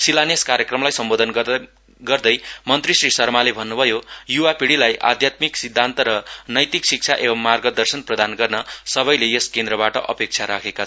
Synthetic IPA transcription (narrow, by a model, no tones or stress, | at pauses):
silanjʌskaɾjʌkrʌmlajsʌmbod̪ʱʌn | ɡʌrd̪ʌjmʌnt̪risrisʌrmalebʱʌnːubʱʌjojuwapiɽilajʔa̰d̪ʱjat̪miksid̪ʱːant̪ʌɾʌnʌjt̪iksik̚t͡sʰaʔebʌmːarɡʌd̪ʌrsʌnprʌd̪anɡʌrnʌsʌβʌjlejeskend̪ɾʌbaʈʌʔʌ̰pek̚t͡sʰaɾakʰekat͡sʰʌ